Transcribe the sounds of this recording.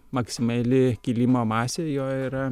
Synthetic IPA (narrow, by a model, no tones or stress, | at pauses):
mɐksʲɪmɑlʲɪkʲɪlʲimoːmɑːsʲejoːiɾɐ